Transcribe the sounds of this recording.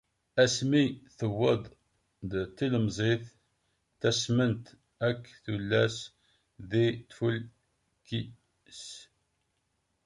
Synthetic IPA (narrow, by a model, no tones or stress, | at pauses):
æsmiθəwːəd̪ˤ | d̪t̪ːiləmzˤeθ | θæsmənt̪ | ækːθulːæs | ðit̪ful | ki | s